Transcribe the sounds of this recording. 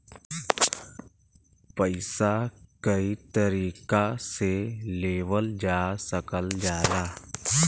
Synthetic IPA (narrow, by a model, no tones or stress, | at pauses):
pəɪsakəit̪əɾiːkaseleːwəld͡ʒaːsəkəld͡ʒaːlaː